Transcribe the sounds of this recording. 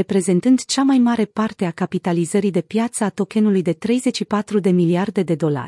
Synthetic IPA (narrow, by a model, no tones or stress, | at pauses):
epɾe̞ze̞nt̪ɨnd̪t͡ʃamajmaɾe̞part̪e̞akapit̪alizəɾid̪e̞pjat̪səat̪o̞kʲe̞nulujd̪e̞t̪ɾe̞jze̞t͡ʃʃipat̪ɾud̪e̞miliard̪e̞d̪e̞d̪o̞la̰rʲ